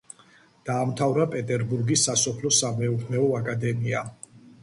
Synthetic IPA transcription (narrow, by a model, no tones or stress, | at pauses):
d̪̥aːmt̪ʰavɾapʼɛt̪ʼɛɾbuɾɡisːasɔpʰlɔsamɛupʰmɛɔakʼad̪ɛmia